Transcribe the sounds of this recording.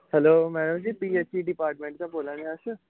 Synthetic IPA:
hɛloːmɛːɖəmd͡ʒiːpiːeːsiːɖɪpaːɾʈmẽɳʈ̚k̪ãboːlãːnẽəs

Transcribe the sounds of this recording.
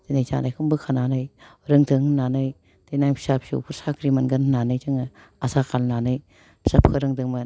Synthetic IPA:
denajza̰najkʰɯmbɯkʰananɯjɾɯŋtʰɯŋnanɯj | denajpʰi̥sap̚sṵpʰuɾsakɾimanɡɯnnanɯjtɯŋ | asakʰalnanɯj | pʰi̥sap̚kʰɯɾɯŋdɯŋma

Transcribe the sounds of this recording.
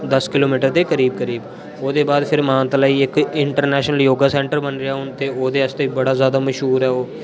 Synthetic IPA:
d̪əskɪloːmiːʈəɾt̪eːkəɾiːb̚kəɾiːb | oːd̪eːbaːd̪pʰɪɾmãːt̪laːiːɪkɪɳʈəɾnɛːʃnəljoːɡaːsɛ̃ːɳʈəɾbənɾɪjaːɦʊnt̪eːoːd̪eːəst̪eːbəɽaːzjaːd̪aːməʃɦuːɾɦɛːoː

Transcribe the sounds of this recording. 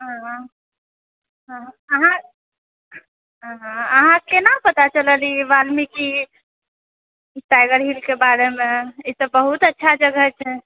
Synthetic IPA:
ɦã | ɦ | əɦã | ɦãəɦãkenapət̪at͡ʃələliʋalmiki | ʈajɡəɾɦilkebaɾemeit̪əbəɦut̪ətːʃʰad͡ʒəɡʱət͡ʃʰɛ

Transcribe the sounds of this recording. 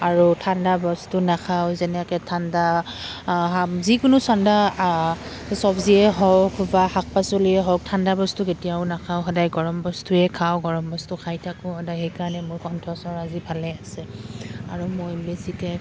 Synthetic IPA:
aɹutʰandabɔstunakʰawzɛnɛkɛtʰanda | azikʊnʊsanda | sɔbziɛɦɔɹkbahak̚pasoliɛɦɔɹk̚tʰandabɔstuketijaʊnakʰawxɔdajɡɔɹɔmbɔstuɛkʰawɡɔɹɔmbɔstʊkʰajtʰakʊ̃ɔdaɦejkaɹanɛmʊɹkɔntʰɔsɔɹazibʱalɛasɛaɹumɔjbesikɛ

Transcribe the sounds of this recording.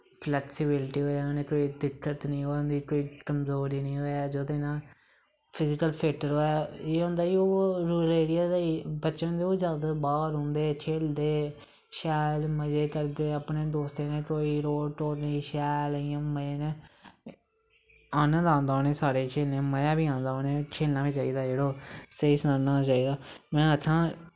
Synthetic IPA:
pʰlɛːksɪbɪlʈiːɦoːaːoːneːkoːiːd̪ɪkːət̪nəĩːɦoːnd̪iːkoːiːkəmzoːɾiːnə̃ːɦoːɛːd͡ʒod̪ẽːnãː | pʰɪzɪkəlpʰeːʈəɾɦoːɛːeːɦʊ̃ːnd̪aːioːɾuːleːɽɪjaːd̪aibətːʃõːd̪eːoːzjaːd̪aːbaːɾɦõːnd̪eːt͡ʃʰeːld̪eː | ʃɛːlməd͡ʒeːkəɾd̪eːəpneːd̪oːst̪eːnẽːkoːiːɾoːʈoːɽniːʃɛːlɪjãːməjeːneː | aːnə̃nd̪ãːnd̪aːoːnẽːsaːɽeːkʰeːlnẽːməjãːbiːãːnd̪aːoːneːkʰeːlnaːʋiːt͡ʃaːiːd̪aːd͡ʒeːɽoːseːsənãːnaːt͡ʃaːiːd̪aː | mɛ̃ːəkʰãː

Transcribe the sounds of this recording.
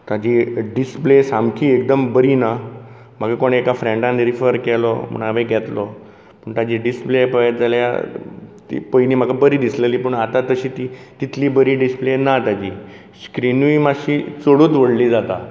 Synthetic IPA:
t̪ad͡ʑiɖisplesamkʰiːek̚d̪əmbəɾina | məɡakoɽekafɾɛ̃ɳɖãnɾifəɾkɛlɔ̰m̤ə̰ɳ̃aʋeɡʱɛt̪lɔ | pəɳt̪ad͡ʑiɖisplepəjət̪̚d͡zalja̰t̪ḭpojniːm̤aɡabəɾiːd̪isleliːpəɳat̪at̪əɕiːt̪it̪it̪liːbəɾiːɖisplenat̪ad͡ʑiː | skɾinuimaɕiːt͡soɽuːt̪ʋəɽliːd͡zat̪a

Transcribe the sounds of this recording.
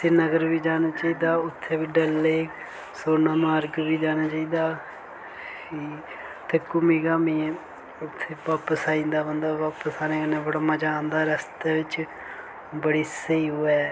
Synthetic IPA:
senəɡəɾʋiːd͡ʒaːnaːt͡ʃaːiːd̪aːʊt̪ʰːeːʋiːɖəlːeː | soːnãːmaəɾɡʋiːd͡ʒaːñaːt͡ʃaːiːd̪aː | kiː | t̪ʰeːkʊmiːkaːmiː | ʊt̪ʰːeːʋaːpəsaːĩːnd̪aːbənd̪aːʋaːpəsaːneːkənẽːʋəɽmãːd͡ʒaːnd̪aːɾəst̪eːʋɪt͡ʃ | bəɽiːsəiːɦoːɛː

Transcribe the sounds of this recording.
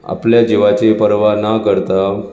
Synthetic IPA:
a̰pljad͡ʑeʋat͡ɕepəɾʋanakəɾt̪a

